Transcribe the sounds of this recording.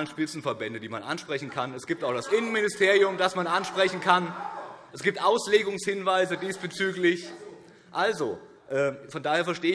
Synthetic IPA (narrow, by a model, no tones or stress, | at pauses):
lənʃpɪt͡sn̩fɛɐbɛndədiːmanʔa̰nʃpʁ̥ɛçn̩kʰanɛsɡ̥iːp̚taʊxd̥asʔɪnənmɪnɪstʰeːʁiʊmdasmanʔanʃpʁ̥ɛçn̩kʰanʔɛsɡ̥iːp̚tʔaʊsleːɡʊŋshɪnvaɪzədiːsb̥ət͡syːklɪç | ʔalzo | ʔɛːfɔndaːheːɐfɛɐʃteːə